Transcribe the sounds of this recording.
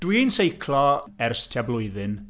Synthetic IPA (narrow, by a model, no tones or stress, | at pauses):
d̥wiːnsejkʰlˠɔɛrstʰjablʊɨðɨn